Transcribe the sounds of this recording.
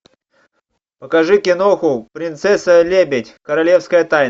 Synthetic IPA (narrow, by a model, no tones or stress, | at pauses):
pəkɐʐɨkʲɪnoxʊpɾʲɪnt̪sɛsəlʲebʲɪtʲkəɾɐlʲefskəjət̪ajn